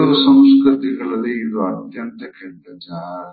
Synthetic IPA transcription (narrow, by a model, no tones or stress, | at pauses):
ɐɾɐsɐ̃mskɾɨt̪iɡɐɭɐlːeid̪uɐt̪jɐnt̪ɐkɛɽd̪ɐd͡ʒaː